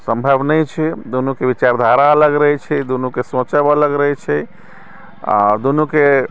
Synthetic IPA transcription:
səmbʱəbnəjt͡ʃʰɛd̪onukeʋit͡ʃaɾd̪ʱaɾaələɡɾəɦɛt͡ʃʰɛd̪onukesõt͡ʃəbələɡɾəɦɛt͡ʃʰɛ | a̰d̪onuke

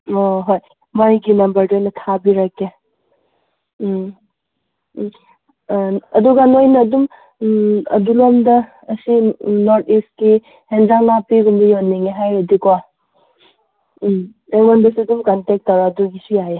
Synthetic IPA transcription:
oɦoj | majɡinɐmbɐɾdojnɐtʰabiɾake | ɐduɡanojnɐːdum | ɐ̰dulomdɐː | sinoɾtʰist̚ki | hendɾaŋlapiɡumdɐjonːiŋeɦajɾɐdiko | eŋmanbisiɐdumkantek̚tɐwɾaduɡisujaje

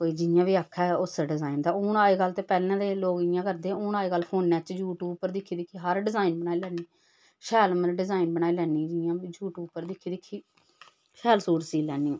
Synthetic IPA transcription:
koːiːd͡ʒɪjãːʋiːaːkʰːɛːʊsaɖɪzaːind̪aːoːnaːeːɡəlt̪eːpɛːlɛ̃ːd̪eːloːɡɪjãːkəɾd̪eːoːnaːeːɡəlːpʰoːnːɛːt͡ʃd͡ʒuːʈuːpːəɾd̪ɪkʰːiːd̪ɪkʰːiːɦəɾɖɪzaːinbənaːilɛːniː | ʃɛːlməɾɖɪzaːinbənaːiːlɛːniːd͡ʒɪjãːbid͡ʒuːʈuːpːəɾd̪ɪkʰːiːd̪ɪkʰːiː | ʃɛːlsuːɾsiːlɛːniːõː

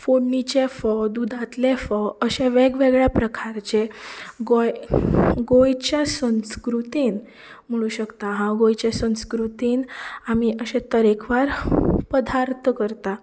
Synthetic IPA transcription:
foɽnit͡ɕefəd̪ud̪ʱãt̪lefəəɕẽʋeɡʋeɡɭjapɾəkʰaɾt͡ɕeɡojɡojt͡ɕjasə̃nskɾut̪iːn | m̤əɭ̃uːɕəkt̪aɦãɡojt͡ɕesə̃skɾut̪iːnamiəɕẽt̪əɾekʰʋaɾpəd̪ʱaɾt̪ʰkəɾt̪a

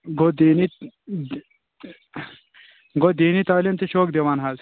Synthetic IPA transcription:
ɡod̪iːni | ɡod̪iːnit̪aːlimt̪iʃoːkd̪ewanɦɐz

